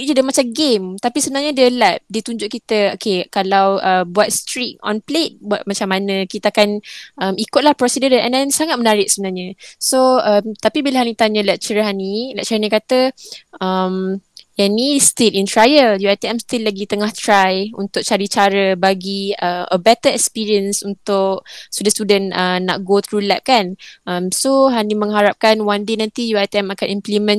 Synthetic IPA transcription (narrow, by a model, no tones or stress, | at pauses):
adəmat͡ʃamɡemt̪apisəbənarɲadəlɛp̚dit̪uɲd͡ʒʊʔ̚kit̪əokʰekalawəbuat̪̚st̪ɾit̪̚ɔ̰̃nplet̪̚buat̚mat͡ʃamːanə̃kit̪aakanʔəmikʊt̪̚lahpɾɔsidədəɛ̰ndɛnsaŋat̪̚mənaɾɪk̚səbənalɲãsoəmt̪apibilaɦanit̪aɲə̃lɛk̚t͡ʃəɾɦanilɛ̰ʔ̚t͡ʃəanikat̪əʔəmjanist̪ɪlint̪ɾajəljuajt̪iɛmst̪ɪlːaɡit̪əŋaht̪ɾajunt̪ʊk̚t͡ʃaɾit͡ʃaɾəbaɡiəmʔə̰bɛt̪əɛkspiɹiənsunt̪ʊksudast̪udənəːa̰ʔ̚ɡot̪ʰɾulɛʔ̚kanʔəmsoɦanimə̃ŋɦaɾap̚kanwandenãnt̪ijuajt̪iɛmakanimplimə̃n